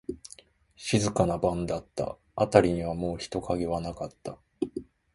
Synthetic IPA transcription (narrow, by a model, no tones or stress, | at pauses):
ɕizɨkanabãnd̪at̪ːa̰ | at̪aɾʲiɲ̟iβamo̞ːçi̥t̪o̞kaɡe̞βanakat̪ːa